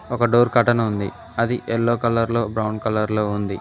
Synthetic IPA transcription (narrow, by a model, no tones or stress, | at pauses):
ɔkɐɖoːɾkɐʈɐnɐund̪i | ɐd̪iʔɛlːoːkɐlɐɾlo̞ːbɾɐwɳɖkɐlɐɾlo̞ːund̪i